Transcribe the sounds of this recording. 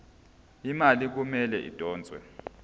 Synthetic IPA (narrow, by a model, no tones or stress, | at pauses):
imalik̬umɛlɛʔḭd̥ʱɔːnd͡zʱwɛ̰